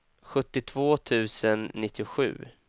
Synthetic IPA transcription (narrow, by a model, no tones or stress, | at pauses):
ɧɵt̪ːɪt̪ʰv̥oːt̪ʰʉ̟ːsənːɪt̪ʰːɪʊɧʉ̟ː